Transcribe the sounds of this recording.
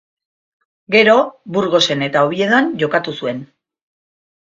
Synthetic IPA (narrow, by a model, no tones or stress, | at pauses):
ɡe̞ɾo̞buɾɣo̞se̞ne̞t̪aoβie̞ðoanʝo̞kat̪usue̞n